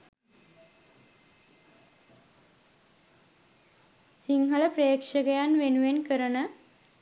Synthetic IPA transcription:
siŋɦələprejːkʂəɡəjanʋenuʋenkəɾənə

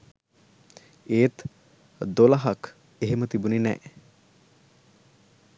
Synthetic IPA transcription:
eːt̪ | d̪olaɦak | eɦemət̪ibuninɛ̰ʔ

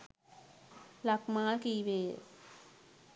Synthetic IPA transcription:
lakmaːlkibḛː

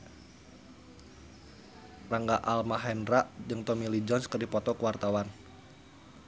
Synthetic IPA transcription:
raŋɡaʔalmaɦɛnraʔd͡ʒɨŋt̪ɔmilid͡ʒɔnskərdipɔt̪ɔkəwart̪awan

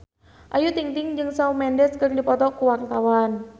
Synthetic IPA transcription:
ʔajut̪iŋt̪ɪŋd͡ʒɨŋsaumɛndɛskərdipɔt̪ɔkuwart̪awan

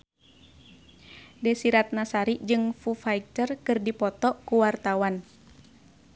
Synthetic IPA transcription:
dɛsiɾat̪̚nasaɾiʔd͡ʒɨŋfufaik̚t̪ərkɨrdipɔt̪ɔkuwart̪awan

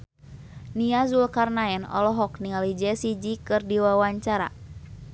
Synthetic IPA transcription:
niazulkarnaɛnɔ̰lɔɦɔkniŋalid͡ʒɛsid͡ʒikɨrdiwawaɲt͡ʃaɾa̰

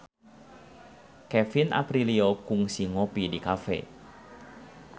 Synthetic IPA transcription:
kɛfinʔa̰pɾiliokʊŋsiŋopidikafɛ̰

